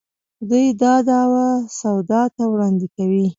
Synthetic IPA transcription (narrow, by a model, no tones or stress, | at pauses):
d̪ujd̪ɑd̪ɑwasawd̪ɑt̪awɽɑnd̪ɪkawi